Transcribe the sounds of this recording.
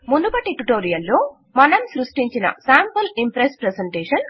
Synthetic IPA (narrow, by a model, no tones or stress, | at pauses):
mund̪ubɐʈːiʈuʈoːɾijɐlːoː | mɐnɐmsɾuʂʈiɲt͡ʃinɐ̰saːmpɐlimpɾespɾeseɳʈeːʂɐn